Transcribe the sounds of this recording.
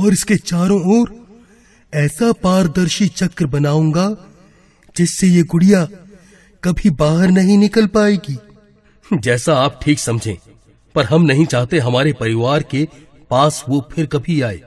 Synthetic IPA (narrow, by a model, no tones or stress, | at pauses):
ɔːɾɪsket͡ʃaːɾõɔːɾ | ɛːsapaːɾd̪ɐɾʃit͡ʃɐkɾbɐnaːũ̆ːɡa | d͡ʒɪsːejeɡʊɽija | kɐbʱibaːɦəɾnɐɦĩnɪkəlpaːeːɡiː | d͡ʒɛːsaaːp̚ʈʰiːksɐmd͡ʒʱḛ̃ː | pɐɾɦɐmnɐɦĩt͡ʃaːɦt̪ẽɦɐmaːɾepɐɾɪʋaːɾke | paːsʋopʰɪɾkɐbʱiaːḛː